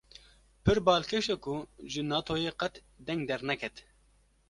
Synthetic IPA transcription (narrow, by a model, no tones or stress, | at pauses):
pʰɨɾbɑːlkʰeʃɛkuʒɨnɑːt̪ʰoːjeqɛt̪ | d̪ɛŋɡ̚d̪ɛɾnɛkʰɛt̪